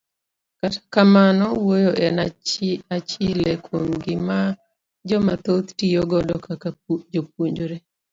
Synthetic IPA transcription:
katḁkamanɔwojoʔɛnaat͡ʃilekʰomɡɪma | d͡ʒɔmat̪ot̪tijoɡɔdɔkakad͡ʒop̚uɲd͡ʒoɾe

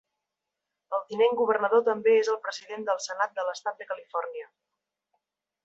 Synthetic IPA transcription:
əlˠt̪ineŋɡuβ̞ərnəðot̪əmbeezəlˠpɾəziðend̪əlˠsənat̪̚d̪ələst̪at̪̚d̪əkəlifɔrniə

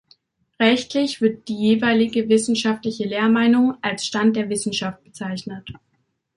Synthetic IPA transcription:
ʁɛçtʰlɪçv̥ɪɐt̚d̥iːjeːvaɪlɪɡəvɪsn̩ʃaftlɪçəleːɐmaɪnʊŋʔalsʃtant̚d̥eːɐvɪsn̩ʃaft̚b̥ət͡saɪçnət

